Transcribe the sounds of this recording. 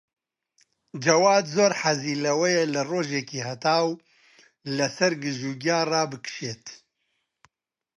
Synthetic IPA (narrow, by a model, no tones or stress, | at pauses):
d͡ʒɐwaːd̪zoːɾħaziːlɐwɛjelɨroːʒeːkiːhɐt̪aːw | lɐsɐɾɡɨʒuːɡjaːrɑːbɨkʃeːt̪